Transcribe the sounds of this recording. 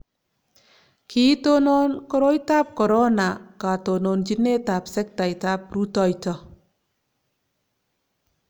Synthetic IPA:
kʰi˦t̪o˧˦nɔ˧nkɔ˧ɾo˦jt̪a˦p̚kɔ˨ɾɔ˦na˨ka˨to˧˨no˧nd͡ʒi˦ne˦ta˨p̚sɛ˦k̚t̪a˨jta˧˦p̚ɾu˦tɔ˧˨jtɔ˧

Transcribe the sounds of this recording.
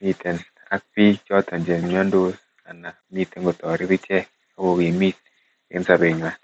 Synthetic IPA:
mi˦te˨n | a˦k̚pi˦t͡ʃɔ˦ta˨nd͡ʒe˨n˨m˦ɔ˦ndo˦ | a˨na˨ | mi˦tːe˦nɡo˨tɔ˨ɾi˦bi˦t͡ʃɛ˦ | a˦wo˨wi˨mi˦t̚ | ḛ˦n˦sa˦be˨ɲwa˨

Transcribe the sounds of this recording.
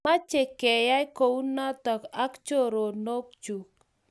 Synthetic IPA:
ma˦t͡ʃe˨kɛ˨ja˦i˦ko˨u˦na˦tɔ˨ka˦kt͡ʃo˦˨ɾo˨no˦k̚t͡ʃu˨k̚

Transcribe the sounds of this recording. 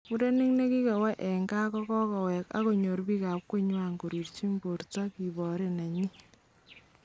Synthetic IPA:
mu˦ɾe˦ni˦ŋne˦ki˦kɛ˨wɛ˦ʔɛ˨ŋɡaː˦kɔ˦kɔ˦kɔ˨wɛ˨ka̰˦ko˨ɲo˨ɾbiː˦ka˨p̚kwe˦ɲwa˨ŋɡo˨ɾi˨rt͡ʃi˦mbo˨ɾta˦ki˨bɔ˨ɾe˦˨na˨ɲi˦

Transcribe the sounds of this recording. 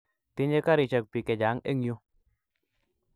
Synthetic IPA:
tɪ˦ɲe˦ka˦ɾɪ˨t͡ʃə˨k̚pi˨kɛ˨d͡ʒa˨˦ŋe˦ŋjo˦

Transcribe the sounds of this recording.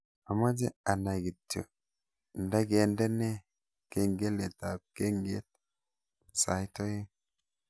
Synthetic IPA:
a˨ma˦d͡ʒe˦a˨na˨ɡi˨tːo̰˨ | nda˦ɡe˨nde˦ne˦ | ke˦ŋɡe˦le˨t̪a˨b̚ke˦ŋɡe˦t̪̚ | sa˨jt̪o˦je˦

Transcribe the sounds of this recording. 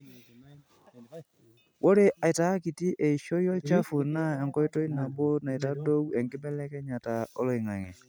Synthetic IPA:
wo˦ɾe˦ʔa˨i˨ta˨˦ki˨ti˦ʔɛ˨i˨ʃɔ˦jɔ˦t͡ʃa˦fu˨na˦ɛ˨ŋkɔ˦i˦tɔ˦i˦na˨bo˦na˨i˨ta˦do˦wɛ˨ŋɡɪ˦bɛ˦lɛ˦kɛ˦ɲa˨ta˨ɔ̰˦lɔ˨i˨ŋa˨ŋɛ˨

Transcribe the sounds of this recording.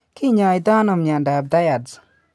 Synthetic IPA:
ki˦ɲa˧jd̪a˦nɔ˨mɲa˨nda˨b̚d̪a˦ja˨dd͡z

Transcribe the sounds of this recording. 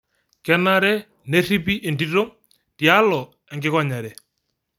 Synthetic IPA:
kɛ˦na˦ɾɛ˦ | ne˦ri˦pi˦ʔɪ˨ndi˦to˦ŋ | ti˨a˦lɔ˨ | ɛ˨ŋɡɪ˦kɔ˦ɲa˨ɾɛ˨

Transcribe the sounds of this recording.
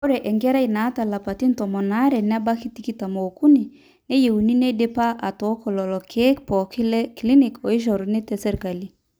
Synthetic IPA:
o˦ɾɛ˨ʔɛ˨ŋɡɛ˦ɾa˦i˨na˨˦ta˨la˨pa˨ti˦ntɔ˨mɔ˨na˦ɾɛ˨nɪ˦a˦ba˦ki˦ti˨ki˦ta˨mo˨ku˦ni˨ | ne˦je˨wu˨ni˦ne˦de˦pa˦ʔa˨tɔ˨˦kɔ˨lɔ˨lɔ˨kʰe˦kpɔ˨kɪ˦lɛ˦kli˦ni˨kɔ˨ɪ˦ʃ̬ɔ˨ɾnɪ˦tɛ˨sɛ˦ɾka˨li˦

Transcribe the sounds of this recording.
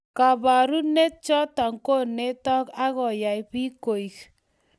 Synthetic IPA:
ka˨ba˨ɾu˦ne˦t͡ʃɔ˦ta˨ŋko˦˨ne˦tɔ˦ka˦ɣɔ˨ja˨i˨pi˦ko˨i˨k

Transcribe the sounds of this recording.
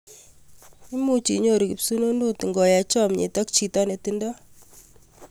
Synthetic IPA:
i˦mu˦t͡ʃḭ˨ɲo˦ɾi˨ki˨psu˦no˦ndu˦ti˨ŋɡɔ˨ja˨t͡ʃɔ˦mɲḛ˨tɔ˦k̚t͡ʃi˨tɔ˦ne˨ti˦ndɔ˦

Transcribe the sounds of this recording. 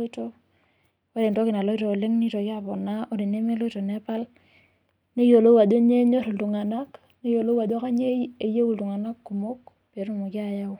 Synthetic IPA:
to˦ | wa˦de˨nto˦ki˨na˨lo˦i˦to˨le˦ŋni˦to˨ki˦a˦˨pɔ˨na˦o˦di˨ne˦me˦lo˦i˦to˨ne˦pa˦l | ne˦jo˨lo˦wa˨do˦ɲe˦ɲo˦ɾltu˨ŋa˨na˦k | ne˦jo˨lo˦wa˨do˦ka˦ɲe˦e˨je˦wu˦˨ltu˨ŋa˨na˦kːu˨mo˦k | pe˨ɾu˦˨mo˨ki˦a˨ja˦w

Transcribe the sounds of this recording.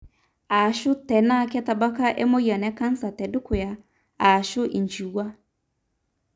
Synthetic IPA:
a˨ʃʊ˦tɛ˨na˦˨kɛ˦ta˨ba˦ka˦ʔɛ̰˦mɔ˦ja˨nɛ˨˦ka˦n̩˦sa˨tɛ˨dʊ˦kʊ˨ja˦ | a˨ʃʊ˦ʔi˨nd͡ʒi˨wa˦

